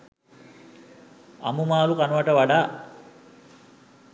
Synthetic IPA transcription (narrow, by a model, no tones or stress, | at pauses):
ɐ̰mumaːlukanuʋaʈəʋaɖaː